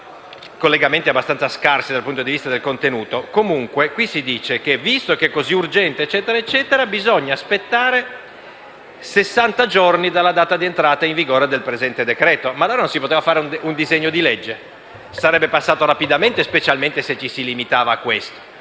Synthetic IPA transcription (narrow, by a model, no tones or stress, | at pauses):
kolːeɡament̪iabːast̪ansaskarsid̪alpunt̪od̪ivist̪ad̪elkont̪enuːt̪okomuŋkwekwisid̪iːt͡ʃek̟evist̪okekːoziurd͡ʒɛnt̪eːt͡ʃːɛːt̪eɾaet͡ʃːɛːt̪eɾabizoɲːaːspet̪ːaːɾe | sesːant̪ad͡ʒornid̪alːad̪aːt̪ad̪ient̪ɾaːt̪aiɱviɡoːɾed̪elpɾezɛnt̪ed̪ekɾɛːt̪omalːoːɾanonsipot̪eːvafaːɾeunund̪izeɲːod̪iled͡ʒːe | saɾɛbːepasːaːt̪oɾapid̪ament̪espet͡ʃalment̪eset͡ʃːisilimit̪aːvaːkːwest̪o̥